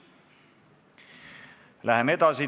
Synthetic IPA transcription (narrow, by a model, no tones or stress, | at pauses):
lʔæhemet̪ɑːsi